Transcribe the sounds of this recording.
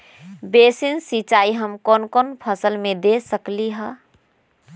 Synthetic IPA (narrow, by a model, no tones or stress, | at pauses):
besinsit͡ʃaːiɦəmkɔːnkɔːnpʰəsəlmẽd̪esəkliɦə